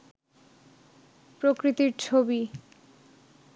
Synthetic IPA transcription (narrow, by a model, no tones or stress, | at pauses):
pɾokɾit̪iɾt͡ɕʰobi